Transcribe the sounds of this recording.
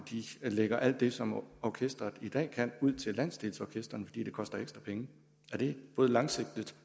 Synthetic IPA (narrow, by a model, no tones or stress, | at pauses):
d̥ileɡ̥ɐʔæl̰d̥ːe̝sɒ̽mɒkʰesd̥ɐð̩ˠid̥ɛ̰ːkʰænuð̰ˠt͡sʰe̝lːæn̰sd̥eːlsɒkʰesd̥ɐnfɒ̽dḭːd̥e̝kʰɒ̽sd̥ɐeɡsd̥ʁɐpʰeŋə | æɐɾ̥e̝b̥ɔ̽ːð̞̩ˠlɑ̈ŋse̝ɡ̥̚d̥əd̥